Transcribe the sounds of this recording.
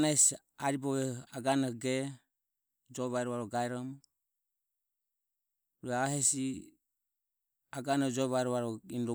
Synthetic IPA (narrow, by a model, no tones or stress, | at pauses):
nas | aɾibɔβɛaɡanɔɡɛ | d͡ʒɔβaɾɔβaɾɔɡaɛɾɔm | ɾuɛaɦɛsi | aɡanɔd͡ʒɔβaɛɾɔβaɾɔinɾɔ